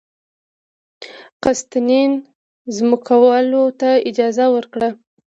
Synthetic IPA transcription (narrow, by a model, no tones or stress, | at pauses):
qast̪anin | zmʊkʰawlot̪aɪd͡ʒɑzawəɾkɽa